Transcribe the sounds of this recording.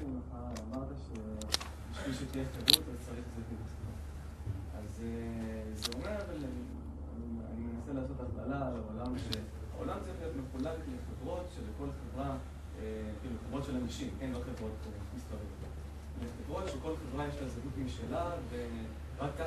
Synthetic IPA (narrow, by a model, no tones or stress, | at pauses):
naχaːmaʁt̪aʃe | biʃvilʃet̪ijeχevʁut̪azt͡saʁiχzetimisa | azezeo̞meʁaval | a̰nimenaselaːso̞t̪atlalalaolamʃe | ha̰o̞̰lamzejotetmeχulalet̪leχevʁo̞tʃeleko̞lχevʁa | ekiːluχevʁotʃe̞lamiʃimʔenvaχevʁo̞t̪̚povot̪mispaʁijot | leχevʁo̞t̪ʃeko̞lχevʁajeʃlazaɡutimʃelave | ʁakːa